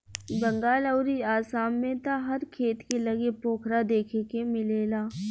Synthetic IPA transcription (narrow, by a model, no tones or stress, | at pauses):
bɐ̃ŋɡaːləʊɾiaːsaːmmẽt̪aɦɐɾkʰeːt̪kelɐɡepoːkʰɾad̪eːkʰekemɪleːlaː